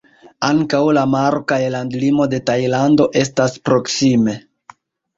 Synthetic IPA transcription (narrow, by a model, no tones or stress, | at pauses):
aŋkawlamaɾokajlandlimo̞de̞tajlando̞ʔe̞s̬taspɾo̞ksime̞